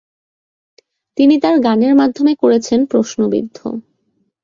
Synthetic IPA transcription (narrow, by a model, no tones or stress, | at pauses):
t̪init̪aɾɡaneɾmad̪ʱːomekoɾet͡ɕʰenpɾoʃnobḭd̪ʱːo̰